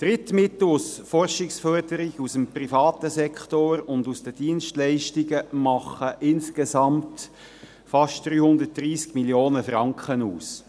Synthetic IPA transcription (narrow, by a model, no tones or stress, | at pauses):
d̥ɾɪt̪mɪt̪l̩usfɔrʃɪksfœrdəɾɪɡusəmprifɑːtəsɛkχtoɾʊndusd̥əd̥iənʃtlɛɪʃtɪɡəmɑχəʔɪnskesɑmt | fɑʃtd̥ɾyːhʊnd̪ət̚d̥riːskmiljoːnəfɾɑŋkχənuːs